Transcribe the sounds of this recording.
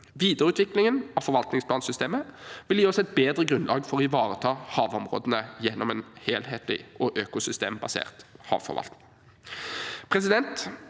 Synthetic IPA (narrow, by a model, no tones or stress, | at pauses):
ʋiːd̪əʁʉːt̪ʰʋɪklɪŋənɑfɔɾʋɑlt̪nɪŋspʰlɑːnsʏst̪eːməʋɪljiːɔsɛt̪̚beːd̪ʁəɡʁʉnlɑ̰ːɡfɔʁɔɪʋɑːʁət̪ʰɑːhɑːʋɔmʁo̰ːd̪ənəjɛnːɔmɛːnheːlheːt̪ʰlɪ̰ʔɔʔøːkʊsʏst̪ḛːmbɑsḛːʁt̪hɑ̰ːʋfɔ̰ʁʋɑ̰lt̪nɪŋ | pʰʁɛs̬ɪd̪ɛnt̪